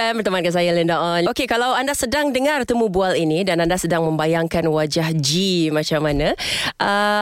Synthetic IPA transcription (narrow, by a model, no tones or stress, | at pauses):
ɛmpərt̪əmankansajaləndaʔɔnokekalawandasədaŋdəŋart̪əmũbualinidanandasədaŋmə̃mbajaŋkanwad͡ʒahd͡ʒimãt͡ʃamanãʔə